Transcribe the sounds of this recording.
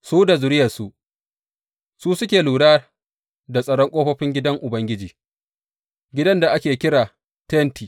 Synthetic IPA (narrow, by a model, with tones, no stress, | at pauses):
suː˦da˨zʊ˨ɾɪ˦jɐ˨su˦ | suː˦sʊ˦kʲeː˨luː˨ɽaː˦ | da˨sʼɐ˨ɽɔ˦ŋkʷʼoː˦ɸɐ˦ɸɪ˦ŋɡʲɪ˦dɐ˦ŋʔʊ˨bɐ˦ŋɡʲɪ˦d͡ʒiː˨ | ɡʲɪ˦dɐ˦nda˨ʔa˦kʲeː˨kʲɪ˦ɾaː˨ | tntiː˨